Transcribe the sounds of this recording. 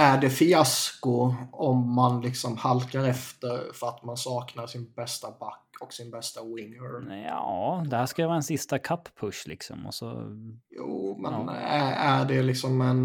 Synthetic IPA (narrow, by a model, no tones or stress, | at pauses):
æɖɛfɪaskʊɔmːanlɪksɔmhalkaɾɛft̪əɾfœɾat̪mansɑːknaɾʂɪnbɛst̪abakːɔksɪnbɛst̪awɪŋəɾjɑːd̪ɛhæːʂkaɛvɑːɾɛnsɪst̪akʰapːʰɵʂlɪ̰ksɔ̰mɔ̰sɔ̰juːmɛnææɖɛlɪksɔmɛn